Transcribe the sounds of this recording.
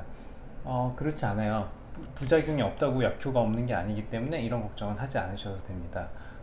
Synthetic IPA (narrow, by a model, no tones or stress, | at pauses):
ʌkɯɾʌt͡ɕʰianajopud͡ʑaɡjuŋiʌp̚t͈aɡojak̚kʰjoɡaʌmnɯnɡe̞a̰ɲiɡit͈e̞mune̞iɾʌnkʌk̚t͡ɕ͈ʌŋɯnɦad͡ʑianɯɕʰʌsʰʌdwe̞mɲida